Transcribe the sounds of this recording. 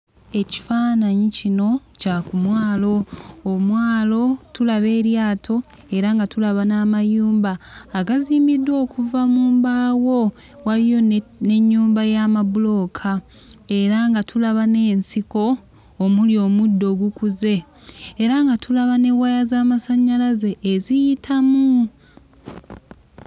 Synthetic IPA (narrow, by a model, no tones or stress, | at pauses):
e̞ci̥faːnaɲicino̞cakumwaːlo̞ːmwaːlo̞tulaβe̞ːɾjaːtʰo̞ | e̞ɾaŋɡatulaβanaːmajuːmbaːɡaziːmidːwo̞ːkuvamuːmbaːwo̞ | walijo̞ne̞ɲːuːmbajaːmaβulo̞kʰa | e̞ɾaŋɡatʰulaβane̞ːnsiko̞ː | muljo̞ːmudːo̞ɡukuze̞ː | ɾaŋɡatʰulaβane̞wajazaːmasaɲːalaze̞ːzijitʰamu